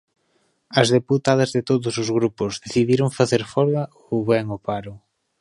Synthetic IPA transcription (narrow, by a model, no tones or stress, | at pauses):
ɐzðeput̪að̞ɐzðet̪oðʊsʊzɣɾupʊzðeθiðiɾoŋfaθeɾfɔɾɣɐ | oβɛŋopaɾʊ